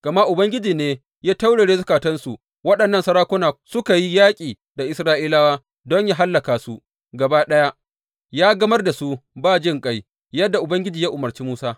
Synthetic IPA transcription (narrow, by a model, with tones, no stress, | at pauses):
ɡ̥ɐ˨ma˦ʔʊ˨bɐ˦ŋɡʲɪ˦d͡ʒiː˨neː˦ | jaː˦ta˦wɽɐ˨ɽeː˦zʊ˦kaː˨tɐ˦nsu˨ | wɐ˦ɗɐ˨nːɐ˦nsɐ˦ɾaː˦kʷʊ˦naː˨sʊ˦ka˨ji˦jaː˦kʲʼiː˨ | da˨ʔɪ˨˦sɾaː˦ʔiː˦laː˦waː˦ | dɔ˦ɲjaː˦ɦa˦lːɐ˨kaː˨su˦ | ɡɐ˨baː˦ɗɐ˦ja˦ | jaː˦ɡɐ˦mɐ˦rda˨su˦baː˦˨d͡ʒɪ˦ŋkʼa˦j | jɐ˦dːa˨ʔʊ˨bɐ˦ŋɡʲɪ˦d͡ʒiː˨jaː˦ʔʊ˨mɐ˨rt͡ʃiː˦muː˦saː˦